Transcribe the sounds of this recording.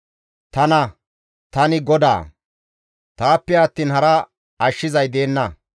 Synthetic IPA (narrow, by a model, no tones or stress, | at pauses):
t̪ɐnɐ | t̪ɐnɪɡɔd̪a̰ː | t̪aːpːɛɐt̪ːiːnhɐɾɐ | ɐʃːɪzɐjd̪e̞ːnːɐ